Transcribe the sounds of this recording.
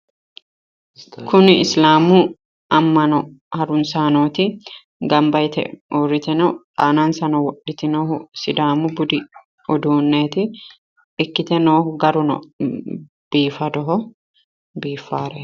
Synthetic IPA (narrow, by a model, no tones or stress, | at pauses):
kʰʊnɪɪslaːmʊ | ɐmːɐnɔhɐɾʊnsaːnoːt̪ɪ | ɡɐmbɐjt̪ʰɛ̰oːɾɪt̪ɛnɔ | aːnɐnsɐnɔwɔɗɪt̪ɪnoːhʊsɪd̪aːmʊbʊd̪ɪ | ɔd̪uːnːeːt̪ɪ | ɪkːɪt̪ɛnoːhʊɡɐɾʊnɔ̰ | b̥iːfɐd̪ɔɦɔ | biːfːaːɾɛ